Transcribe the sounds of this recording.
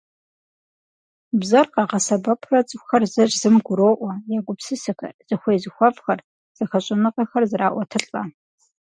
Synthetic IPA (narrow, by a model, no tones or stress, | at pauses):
bzɐrqɑʁɐsɐbɐpʰrɐt͡sʼʷxɐrzɐʒzɨmɡʷʊɾoːʔʷɐjaːɡʷʊpsɨsɨxɐ̰z̥ɨxʷejzɨxʷɔvxɐr | z̥ɨxɐɕʼɪnɨqɐxɐrzɨraːʔʷɔtʰɨɬʼɐ